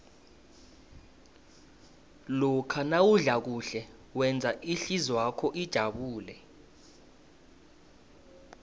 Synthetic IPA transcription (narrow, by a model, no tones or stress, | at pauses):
lɔkʰanawuɮak̬uɬɛ | wɛnd͡zʱaʔiɬizwakʰɔʔid̥ʒ̥ʱaɓuːlɛ